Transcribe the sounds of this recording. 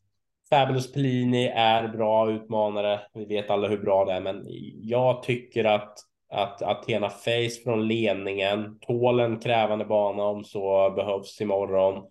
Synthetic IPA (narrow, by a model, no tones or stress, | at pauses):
fæːblʊspʰliːnɪʔæɾbɾɑːʉ̟ːt̪mɑːnaɾəvɪveːt̪alːahɵbɾɑːd̪ɛæɾmɛnjɑːɡt̪ʰʏkːəɾat̪ | a̰t̪a̰t̪ʰːeːnafɛjsfɾɔnleːnɪŋənt̪ʰoːlənkʰɾɛːvand̪əbɑːnaɔmsɔbɛɦœvsɪmɔɾːɔn